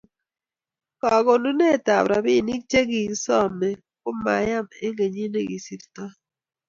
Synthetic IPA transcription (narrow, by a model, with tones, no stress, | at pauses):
kɔ˨ɡo˨nu˦ne˦˨ta˨bɾa˨bi˦˨ni˦k̚t͡ʃe˦ɡi˨sɔ˦mɛ˨ | kʊ˦ma̰˨ja˦me˦ŋe˨ɲi˦ne˦˨ɡi˨si˨ɾtɔ˦